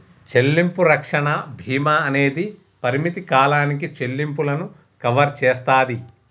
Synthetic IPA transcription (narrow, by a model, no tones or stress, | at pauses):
t͡ʃe̞lːimpuɾɐkʂɐɳɐbʱiːmɐːne̞ːd̪i | pɐɾimit̪ikaːlaːnikit͡ʃe̞lːimpulɐnu | kɐʋɐɾt͡ʃɛːst̪aːd̪i